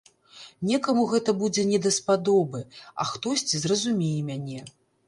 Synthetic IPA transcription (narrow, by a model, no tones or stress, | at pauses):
nʲɛkɐmuɣɛt̪ɐbud͡zʲɛnʲɛd̪ɐspad̪ɔbɨɐ̰xt̪ɔsʲt͡sʲizrɐzumʲejɛmʲanʲɛ